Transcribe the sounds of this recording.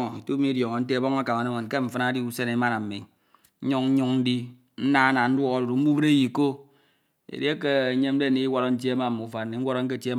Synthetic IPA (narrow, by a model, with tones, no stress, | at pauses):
i˨tu˦mi˦djɔ˨ŋo˨n̩˦te˦˨bɔ˦ŋ˦a˦ka˨ma˨ne˦me˨n˨ke˦ɱ̩˨fɨ˦na˦di˦u˦se˦ne˨˦ma˦ɾa˨m̩˨mi˨˦ | ɲu˦ŋ̩˦ɲu˦ŋn̩˦di˦ | n̩˦na˦a˦na˨n̩˦dwɔ˦ɣo˦du˨ɾu˨m̩˦mu˦bɨ˦ɾe˦ji˨ko˦ | ḛ˨de˦ke˦e˨˦ɲe˦m̩˦de˦˨ni˨˦i˦wɔ˦ɾo˨n̩˦t̬je˦ma˦˨mu˨fa˨ni˨ŋ̩˦wo˦ɾo˦ŋ̩˦k̬e˦˨te˦